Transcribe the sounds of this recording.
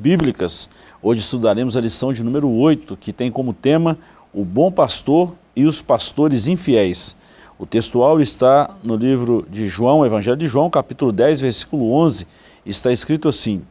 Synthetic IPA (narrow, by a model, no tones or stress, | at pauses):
biblikɐs | õʒɪst̪ud̪aɾẽmʊzɐlisɐ̃w̃d͡ʒɪnũmeɾʊojt̪ʊkɪt̪ẽj̃kõmʊt̪ẽmɐ | ʊbõpast̪oɾ | ɪʊspast̪oɾɪzĩfiɛjs | ʊt̪est̪uawɪst̪anʊlivɾʊd͡ʒɪʒuɐ̃w̃evɐ̃ʒɛljʊd͡ʒɪʒuwɐ̃w̃kapit̪ulʊd̪ɛjzveɾsi̥kulʊõzɪ | ɪst̪aeskɾit̪ʊasĩ